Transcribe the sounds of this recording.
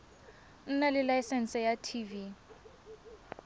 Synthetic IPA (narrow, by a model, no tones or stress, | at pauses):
n̩nalɪlajsɛn̩sɛjatʰivi